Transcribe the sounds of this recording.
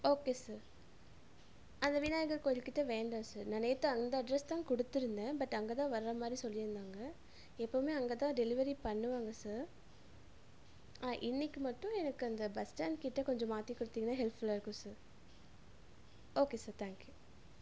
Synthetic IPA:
oːkeːsaːɾ | ɐnd̪ɐʋɪnaːjɐɣɐɭkoːjɪlkɪʈːɐʋeːɳɖãːsaːɾnɐnɐjt̪ːɯɐnd̪ɐɐɖɾɛst̪ãːkɔɽɯt̪ːɪɾɯnd̪ẽːbɐʈːɐŋɡeːt̪ãːʋɐɾɾɐmaːd̪ɾisɔlːɪɾɯnd̪aːŋɡɐ | ɛpːoːmeːɐŋɡeːt̪ãːɖɛlɪʋɐɾipɐɳːɯʋaːŋɡɐsaːɾ | aːʔɪnːɪkːɯmɐʈːʊ̃ɛnɐkːɯɐnd̪ɐbɐsʈaːnkɪʈːɐkɔɲd͡ʒɔ̃maːt̪ːikːɔɽɯt̪ːiːŋɡɐnːãːɦɛlpfʊlaɪɾɯkːɯ̃saːɾ | oːkeːsaːɾt̪ʰaːŋkju

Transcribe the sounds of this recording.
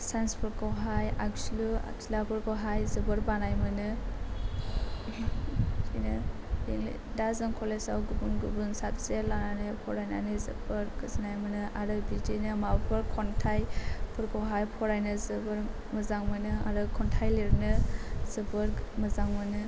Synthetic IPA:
sajnspʰɯɾkʰawɦaja̰k̚slua̰k̚silabɯɾkawɦajzɯbɯɾbanajmɯnɯ | d͡ʒinɯ | diŋlḭdazɯŋkʰɔlesawɡubunɡubunsap̚zelananɯpʰɔɾajna̰nɯzɯ̰bɯɾɡɯznajmɯnɯaɾɯbidinɯmabʰɯɾkʰɔntʰajpʰɯɾkʰawɦajpʰɔɾajnɯzɯbɯɾ | mɯzaŋmɯnɯa̰ɾɯkʰɔntʰajliɾnɯzɯbɯɾmɯzaŋmɯnɯ

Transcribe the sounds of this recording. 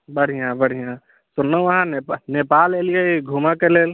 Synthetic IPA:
bəɽ̤ijãbəɽ̤ʱijã | sʊnəəɦãnnepalelijaeɡʱumakeleːl

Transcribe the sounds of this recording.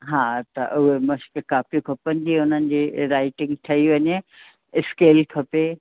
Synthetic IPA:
ɦaːt̪ɐ̰ʔʊɦemɐskɪkaːfikʰɐpə̃nɪd̪iʊn̤ənɪ̆d͡ʑiɾaːɪʈɪ̃ŋɡt̪ʰɐiʋɐɲe | ɪskeːlkʰɐpe

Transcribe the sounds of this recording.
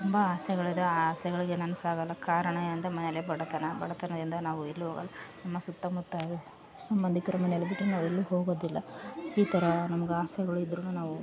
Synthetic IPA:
t̪umbɐaːsɐɡɐɭid̪ɐaːsɛɡɐɭiɡenɐnɐsaːɡɐlːɐkaːɾɐɳɐɐnd̪ɐmɐnɛlebɐɽɐt̪ɐnɐbɐɽɐt̪ɐnɐd̪ind̪ɐnaːʋuelːuɦoːɡɐ̰lːɐnɐmːɐsut̪ːɐmut̪ːaːju | sɐmbɐnd̪ʱikːɾɐmɐnelɐbiʈːunaːʋuelːuɦoːɡoːd̪ilːɐiːt̪ʰɐɾɐnɐmɐɡeaːsɛɡɐɭuid̪ɾunːunaːʋu

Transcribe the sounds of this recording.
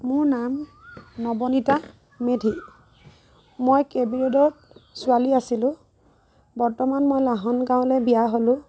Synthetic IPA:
mʊɹnamnɔbɔnita | medʱi | mojkebiɹedɔt̚ | sʊaliasilʊ̃ | bɔɹtɔmanmojlaɦɔnɡãʊ̃lɛbijaɦolʊ̃

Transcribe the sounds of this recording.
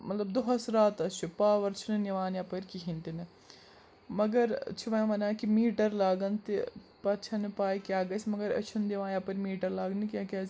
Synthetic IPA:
mɐt̪lɐbd̪oɦɐsɾaːt̪ɐt͡ʃʰupaːʋɐɾt͡ʃʰunniʋaːnjaːpɐɾʲkiɦint̪ini | mɐɡɐɾt͡ʃʰiʋɐjmɐnãːkimiːʈɐɾlaːɡɐnt̪i | pɐt͡ʃʰɐnpaːjkʲjaːɡɐsmɐɡɐɾɐ̰t͡ʃʰund̪iʋãːnjaːpɐɾʲmiːʈɐɾlaːɡnikʲakaːs

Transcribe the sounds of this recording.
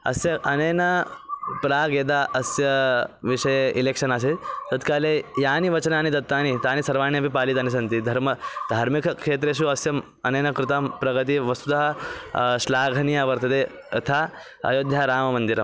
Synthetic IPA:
ɐ̰sjɐʔɐnɐjnɐpɾaːɡeːd̪aːʔɐsjɐʋiʂɐjeileːkʂɐnaːs̬eːt̪t̪ɐt̪kaːleːjaːniʋɐt͡ʃɐnaːnid̪ɐt̪ːaːnit̪aːnisɐɾʋaːnjɐpipaːlit̪aːnis̬ɐnt̪id̪ʱɐɾmɐd̪ʱaːɾmikʰɐkʂeːt̪ɾeːʃ̬uɐsjɐm | ɐnɐjnɐkɾɪt̪aːmpɾɐɡɐt̪̬iʋɐsud̪ɐɦɐ | ʃlaːɡʱɐnijaʋɐɾt̪ɐt̪eː | ɐ̰t̪ʰaː | ɐ̰joːd̪ʱjaːɾaːmɐmɐnd̪iɾɐm

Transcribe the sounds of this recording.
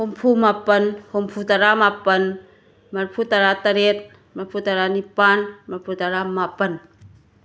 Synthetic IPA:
hompʰumapənhompʰut̪aɾamapən | marpʰut̪aɾat̪aɾet̪̚ | mapʰut̪aɾanipanmapʰut̪aɾamapən

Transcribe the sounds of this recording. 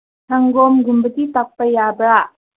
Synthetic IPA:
tʰaŋɡɔmɡumbət̪it̪ak̚pəjabɾaʔ

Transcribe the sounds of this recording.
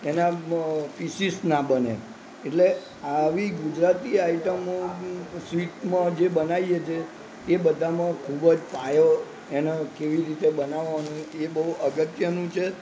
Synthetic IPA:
enapisisnabənḛ | eʈle | aʋiɡud͡ʒɾat̪iaiʈəm | siʈmãd͡ʒebənajet͡ʃʰe | ebəd̪ʱamãkʰubəd͡ʒpajo | enẽkeʋiɾit̪ebənaʋʋanũebəɦuʔəɡət̪jənũt͡ʃʰe

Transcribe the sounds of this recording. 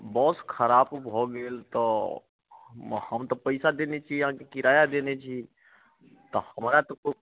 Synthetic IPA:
bɔːskʰəɾaːbbʱoɡeːlt̪ɔ | həmt̪ɔpəɪsad̪enet͡ʃʰiɦãkekɪɾaːjad̪enet͡ʃʰi | t̪ɔhəmɾat̪ɔko

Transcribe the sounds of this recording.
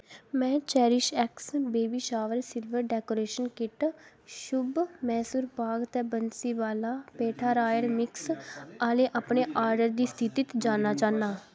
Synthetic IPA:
mɛ̃ːt͡ʃɛːɾɪʃɛːksbeːbiːʃaːʋəɾsɪlʋəɾɖɛːkoːɾeːʃənkɪʈ | ʃʊbmɛːsuːɾpaːɡt̪ɛːbənsiːʋaːlaːpeːʈʰaːɾaːjəɾmɪksaːleːʔaːpneːʔaːɾɖəɾd̪iːst̪ʰɪt̪iːt̪d͡ʒaːnaːt͡ʃaːnaː

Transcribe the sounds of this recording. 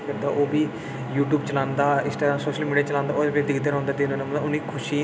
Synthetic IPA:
kəɾd̪a̰ːʔoːbiː | juːʈjuːbt͡ʃəlãːnd̪aːɪsʈaːɡɾaːmsoːʃəlmiːɖiaːt͡ʃəlãːnd̪aːoːbed̪ɪkʰd̪eɾɔ̃ːnd̪aːt̪enõːnemʊnːiːkʰʊʃiː

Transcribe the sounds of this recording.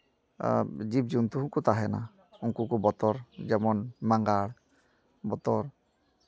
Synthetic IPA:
d͡ʒib̚d͡ʒunt̪uɦuŋkut̪aɦɛna̰ | uŋkukubɔt̪ɔɾd͡ʒɛmɔnmaŋɡaɭ | bɔt̪ɔɾ

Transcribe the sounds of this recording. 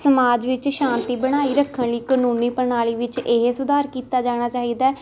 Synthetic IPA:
səmaːd͡ʒʋɪt͡ʃʃãːnt̪iːbəɽ̃aːiːɾəkʰːənliːkənuːniːpəɾɳaːliːʋɪt͡ʃeɦsʊd̪ʱaːɾkiːt̪aːd͡ʒaːɽ̃aːt͡ʃaːɦiːd̪aː

